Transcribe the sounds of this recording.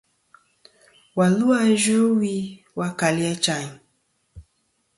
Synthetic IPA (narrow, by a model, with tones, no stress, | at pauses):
wa˨lu˦a˦ʒo˦wi˦ | wa˦ka˨li˦a˦t͡ʃa˨ɲ˨